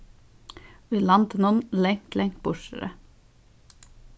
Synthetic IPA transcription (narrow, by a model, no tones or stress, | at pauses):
ʋiːlɑnt̪ənɔnlɛŋt̪lʔɛŋt̪̚b̥ʊʃə̰ɾə̰